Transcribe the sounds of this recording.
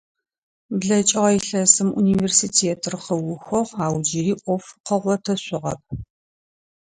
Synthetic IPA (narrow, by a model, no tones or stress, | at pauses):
bɮɐt͡ʃʼɪʁɐjiɬɐsɨmʔṵniːveːrsiːtʰeːtʰɨrχɐwʊxʷɔʁaːwd͡ʒiɾiːʔʷɔfqəʁʷɔtʰɐɕʷʼʊʁɐ̰p̚